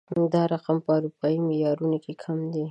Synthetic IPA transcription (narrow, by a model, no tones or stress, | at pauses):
d̪ɑɾaqampəaɾupɑimɪjɑɾunokekʰamd̪i